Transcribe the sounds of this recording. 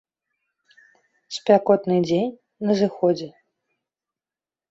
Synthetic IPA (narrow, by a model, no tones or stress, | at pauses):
sʲpʲakɔt̪nɨd͡zʲenʲ | nɐzɨxɔd͡zʲɛ